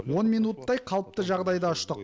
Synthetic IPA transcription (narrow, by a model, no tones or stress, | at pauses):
wo̞nmijnut̪ːɑjqʰɑlˠəp̚t̪əʒɑʁd̪ɑjd̪ɑʊʃt̪əq̚